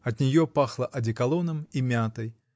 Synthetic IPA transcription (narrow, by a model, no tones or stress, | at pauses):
ɐd̪nʲɛjɔpaxlˠɐʔɐd͡zʲikalˠɔnɐmimʲat̪ɐj